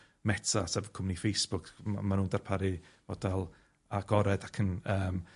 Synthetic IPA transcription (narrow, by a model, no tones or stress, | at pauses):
mɛtʰasɛvkʰʊmnifejsb̥ʊkʰa̰manuːndarpʰaɾivɔdalˠ | aɡ̥ɔɾɛdakʰənəːm